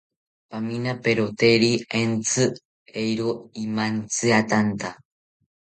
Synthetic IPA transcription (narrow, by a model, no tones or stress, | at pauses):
paminapeɾot̪eɾient͡sɨ | ejɾoimant͡sɨat̪ant̪a